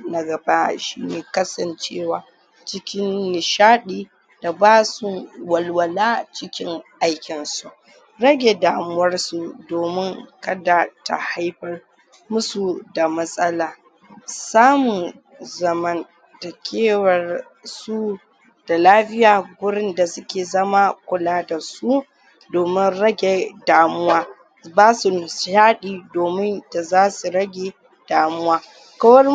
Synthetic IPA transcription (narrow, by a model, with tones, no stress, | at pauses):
na˨ɡɐ˨ba˦ʃḭ˦neː˨kɐ˦sɐ˨nt͡ʃeː˦waː˨ | t͡ʃɪ˦kʲɪ˦nːɪ˨ʃaː˦ɗiː˦ | d̥a˨baː˦sʊ˦wɐ˨lwɐ˨laː˦t͡ʃɪ˦kʲɪ˦ŋʔa˦jkʲɪ˨nsu˨ʔ | ɽɐ˦ɡʲe˨daː˨mʊ˦wɐ˦rsu˦doː˨mɪ˦ŋkɐ˦da˨ta̰˨ha˦jɸɐ˦r | mʊ˦su˨da˨mɐ˦sʼɐ˦laː˨ | saː˦mʊ˨n | zɐ˨mɐ˦n | da˨kʲeː˦wɐ˨r | su˦ | d̥a˨laː˦ɸɪ˦jaː˨ɡʷʊ˦ɽɪ˦nda˨sʊ˦kʲeː˨zɐ˦ma˦kʷʊ˨laː˦da˨su˦ | doː˨mɪ˦nɾɐ˦ɡʲeː˨daː˨mʊ˦waː˦ | baː˦su˨ʃaː˦ɗiː˨doː˨mɪ˦nda˨zaː˦su˨ɾɐ˦ɡʲeː˨ | d̥aː˨mʊ˦waː˦ | kɐ˦wɐ˦r